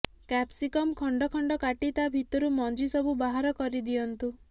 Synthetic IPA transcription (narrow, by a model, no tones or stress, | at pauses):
kɛpsikɔmkʰɔɳɖɔkʰɔɳɖɔkaʈit̪abʱit̪ɔɾumɔnd͡ʒisɔbʱubaɦaɾɔkɔɾid̪iɔnt̪u